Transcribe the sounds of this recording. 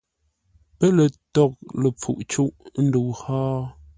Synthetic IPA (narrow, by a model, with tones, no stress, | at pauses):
pə˦lə˨tɔ˨k̚lə˨p͡fṵ˨ʔt͡ʃu˦ʔn̩˦du˨whaː˦